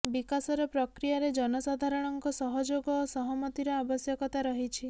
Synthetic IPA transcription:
bikasɔɾɔpɾɔkɾijaɾed͡ʒɔnɔsad̪ʱaɾɔɽ̃ɔŋkɔsɔɦɔd͡ʒoɡɔːsɔɦɔmɔt̪iɾɔabɔsjɔkɔt̪aɾɔɦit͡ʃʰi

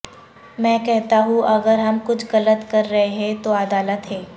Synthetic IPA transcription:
mɛ̃ːkɛɦt̪aɦũʔɐɡəɾɦɐmkʊt͡ʃʰɣɐlət̪kɐɾːɐɦeɦɛ̃t̪oad̪aːlət̪ɦɛː

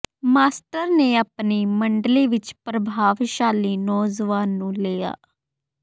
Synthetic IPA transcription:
maːsʈəɾneːaːpniːməɳɖliːʋɪt͡ʃpɾəbʱaːʋʃaːliːnɔːzʋaːnːũːleːa̰ː

